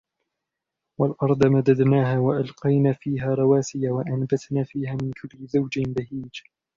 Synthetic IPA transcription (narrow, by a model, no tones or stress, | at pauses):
walʔɑɾˤd̪ˤmad̪ad̪naːɦaːwaʔalqɑjnaːfiːɦaːɾˤɑwaːsɪjawaʔanbat̪naːfiːhaːmɪnkʰʊlːɪzawd͡ʒɪnbahiːd͡ʒ